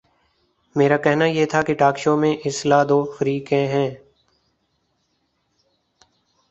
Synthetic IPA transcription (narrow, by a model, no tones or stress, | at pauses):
meːɾaːkɛɦnajeːt̪ʰakeʈaːkʃoːmẽʔɪslaːd̪oːfəɾiːkẽɦɛ̃ː